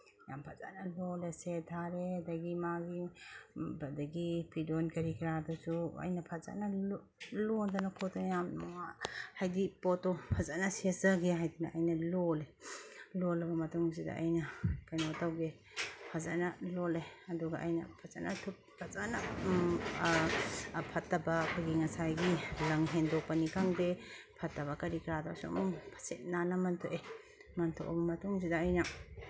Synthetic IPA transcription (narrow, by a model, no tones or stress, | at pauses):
ja̰mpʰaza̰nɐlɔlesetʰaɾedaɡimaɡi | bɐdɐɡipidonkɐɾikɾadɔsuɐ̰jnɐpʰaza̰na | lɔndanakʰɔtojamŋahajdipɔtɔpʰazanɐsesɐɡeɦajdina̰ɐjnɐlɔlelɔlɐbɐmɐtuŋsida̰ʔa̰jnɐkajnɔtawɡe | pʰaza̰nalɔleɐduɡaʔajna̰pʰaza̰natʰup̚pʰazana | pʰatːabakʰɔjɡiŋɐsajɡilɐŋɦendɔk̚panikaŋde | pʰɐtːɐbakɐɾikɾada̰wsɔ̰muŋpʰḁset̚nanamɐntʰoʔe | mɐntʰɔ̰ʔbɐmɐtuŋsidaːjna